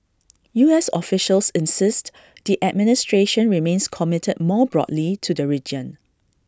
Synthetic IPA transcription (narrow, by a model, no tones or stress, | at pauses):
juɛsɔ̰fɪʃəlsɪ̃nsɪst | d̥iʔɛd̚mɪnɪstɹeʃə̃nɹimẽnskʰɔmɪtʰəd̚mɔbɹɔ̰dlitʰudəɹid͡ʒə̃n